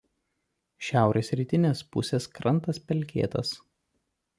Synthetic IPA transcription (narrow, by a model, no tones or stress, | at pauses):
ʃʲæˑʊɾʲeːsɾʲiːˑt̪ʲɪnʲeːspʊ̰sʲeːskɾɐnt̪ɐspʲɛlʲkʲḛːt̪ɐs